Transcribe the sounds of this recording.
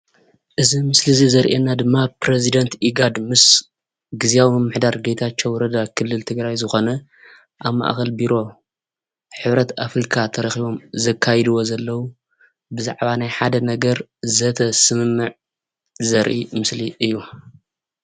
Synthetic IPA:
ʔɨzimɨslizizɐɾʔenːad̪ɨmːapɾezid̪ɐnt̪ʔiɡad̪mɨs | ɡɨziawimɨmːɨħd̪aɾɡejt̪ʰat͡ʃːowɔɾɐd̪akʰɨlːɨlt̪ʰɨɡɾajzɨxo̞nɐ | ʔaβma̰ʔxɐlbiɾo̞ | ħɨβɾɐt̪ʰafɾikʰat̪ʰɐɾɐxiβo̞mzɐkʰːajɛd̪uwo̞zɐlːɐwu | bɨzaʕβanajħad̪ɐnɐɡɐɾzɐt̪ʰɐsɨmɨmːɨʕ | zɐɾʔimɨsliʔɨjːu

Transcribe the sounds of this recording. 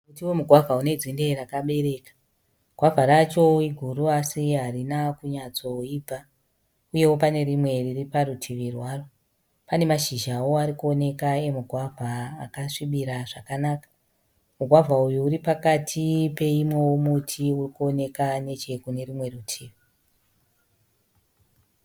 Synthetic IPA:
kutiwomuɡʱwavʱaune̞d͡zinde̞ɾakaɓe̞ɾe̞kḁ | ɡʱwavʱaɾat͡ʃo̞iɡʱuruasiɦarinakuɲat͡so̞iːbʱa | uje̞wo̞pane̞rimwe̞ririparutʰiʋirwaːro | pane̞maʃiʒao̞aɾikuo̞ne̞kae̞muɡʱwavʱaːkaʂiɓiɾaʐakanaːkḁ | muɡʱwavʱaujuuɾipakatʰipe̞imwewomutʰiurikuo̞ne̞kane̞t͡ʃe̞kune̞rimwe̞rutʰiːʋi

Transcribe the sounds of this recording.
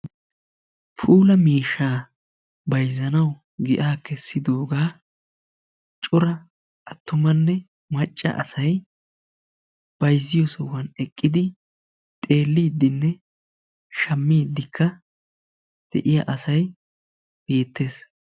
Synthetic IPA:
pʰuːlɐmiːʃːaː | bɐjzɐnɐw | ɡɪ̰ʔaːkɛsːɪd̪o̞ːɡaː | t͡ʃʼʊɾɐ | ʔɐt̪ːʊmɐnːɛ | mɐt͡ʃʼːɐ̰ʔɐ̰sɐj | b̥ɐjzːɪjɔsɔwɐnɛkʼːɪd̪ɪ | t̪ʼe̞ːlːiːd̪ːɪnːɛ | ʃɐmːiːd̪ːɪkʰːɐ | d̪̥ɛ̰ʔɪjɐ̰ʔɐsɐj | b̥e̞ːt̪ːe̞ːs

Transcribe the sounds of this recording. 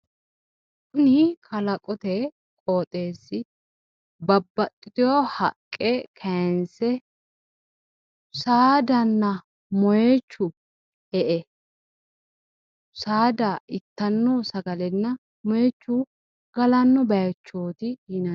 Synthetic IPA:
ʊnikʰɐlɐkʼɔt̪ɛ | kʼoːt̪ʼe̞ːsːɪ | bɐbːɐt̪ʼːɪt̪ɪjohɐkʼːɛkʰɐnsɛ | saːd̪ɐnːɐ | mɔjet͡ʃːʊ | ɛʔɛ | saːd̪ɐɪt̪ːɐnːosɐɡɐlɛnːɐ | mɔjɛt͡ʃːʊ | ɡ̥ɐlɐnːɔbɐjt͡ʃːo̞ːt̪ɪɪnɐ

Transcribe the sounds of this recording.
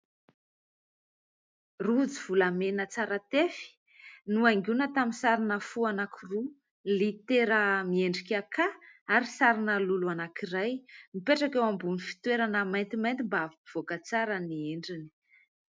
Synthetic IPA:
rud͡ziv̥ulamenət͡saɾat̪efi̥ | nuaŋɡʲunət̪aminsaɾinəfuanakʰuru | lit̪eɾəmieɳɖ͡ʐikakaaɾisaɾinəluluanakiɾajmipeʈ͡ʂakewambunifi̥t̪weɾanəmajnt̪imajnt̪imbaviiv̥okət͡saɾənieɳɖ͡ʐini̥

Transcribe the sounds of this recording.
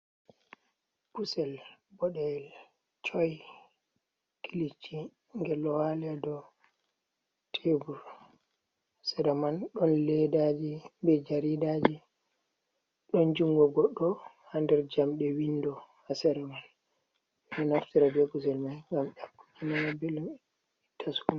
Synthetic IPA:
b̥usɛlbɔɗɛl | t͡ʃɔj | kʰilit͡ʃːi | ŋɡɛlːɔwalɛdɔ | tʰebuɾ | sɛɾamanɗɔnlɛdad͡ʒibɛd͡ʒaɾidad͡ʒi | ɗɔnd͡ʒuŋɡɔɡɔɗːɔ | handɛɾd͡ʒamɗɛwindɔhasɛɾɛman | nɛnaftiɾabɛɡuzɛlmajŋɡamɗakːud͡ʒinanabɛlum | itʰːasun

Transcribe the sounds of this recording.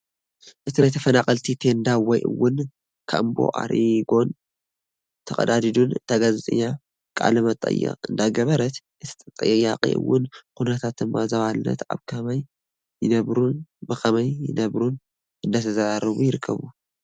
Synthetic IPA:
ʔɨt̪inajt̪ʰɐfɐnaχʼɐlt̪ʰit̪ʰe̞nd̪awɔjʔɨ̰wːʊn | kʰa̰mbo̞̰ʔa̰ɾʔiɡo̞n | t̪ʰɐkʼɐ̰d̪ad̪id̪unt̪ʰaɡazt̪ʼɨ̰jːa | kʼa̰lɨmɐt̪ʼɐ̰jːɛ̰kʼɨnd̪aɡɐβɐɾɐt̪ | ʔɨt̪ʰi̥t̪ʼɐt̪ʼɐ̰jːɨjːaqʼḭʔɨ̰wʊnkunɐt̪ʰat̪̚d̪ɨmːazɐβalɨnɐ̰t̪a̰βkʰɐmɐjː | ɪnɐβɾubɨkɐmɐjːɪnɐβɾun | ʔɨnd̪ɐt̪ʰɐzaɾaɾɨβujɪɾɨkʰːɐ̰βu

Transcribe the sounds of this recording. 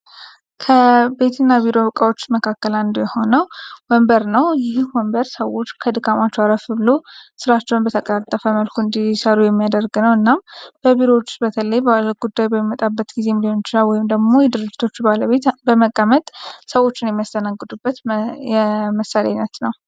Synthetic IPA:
kʰəbe̞t̪ʰɨnːaβiɾo̞βəkʼawot͡ʃːməkʰakːəland̪ujɛho̞nəwwɔmbəɾnəwjɪhhwɔmbəɾsəwo̞t͡ʃːkʰəd̪ɨkʰʼamat͡ʃːɛwaɾəfbɨlosɨɾat͡ʃːɛwunbət̪ʰəkʼəɾat̪ʼːəfəməlkʰuɨnd̪isəɾujɛmːijad̪ərɡɨnəwɨnːamb̥əβiɾo̞t͡ʃːɪ̥bət̪ʰələjbəlɡ̥ud̪ːajbəmimət̪ʼabːət̪ɡize̞milionot͡ʃːɪnawɔjɪmd̪əɡmo̞jɛd̪ɨɾɨd͡ʒːɪ̥t̪ʰo̞t͡ʃːbaləβe̞t̪bəməkʼːamət̪ʼsəwo̞t͡ʃːɪnjɛmːijast̪ʰənaɡːɨd̪ubːət̪jɛməsalḛanət̪nəw

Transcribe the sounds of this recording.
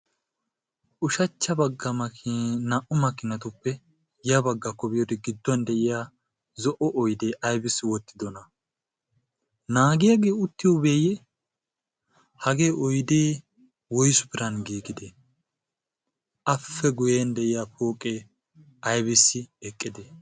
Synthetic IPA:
ʔʊʃɐt͡ʃːɐbɐɡːɐmɐknɐʔʊmɐkːɪnɐt̪ʊpːɛ | jɐbɐɡːɐkːɔbɪjɔd̪ɛɡɪd̪ːɔnd̪ɛʔɪjaː | zɔʔɔʔɔjd̪e̞ːʔɐjbɪsːwɔt̪ːɪd̪ɔnɐ | naːɡɪjaɡe̞ːʊt̪ːɪjɔbe̞ːjɛ | hɐɡe̞ːʔɔjd̪eː | wɔjsʊ̥bɪɾɐnɡiːɡɪd̪e | ʔɐfːɛɡʊjend̪ɛʔɪjaːpoːkʼːeː | ɐjbɪsːɪɛkʼːɪd̪e

